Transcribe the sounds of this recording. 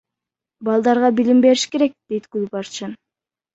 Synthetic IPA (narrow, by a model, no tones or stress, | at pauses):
bɑlˠd̪ɑɾʁɑbilimbe̞ɾiʃke̞ɾe̞k̚d̪̥e̞jt̪ɡulʲpɑɾt͡ʃin